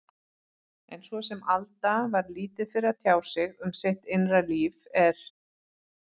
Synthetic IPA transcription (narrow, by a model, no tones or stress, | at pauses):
ɛnsvɔsɛmalt̪avaɾliːt̪ɪ̥fɪɾat̪ʰjaːwsɪɣʏmseht̪ejnraliːvɛɾ̥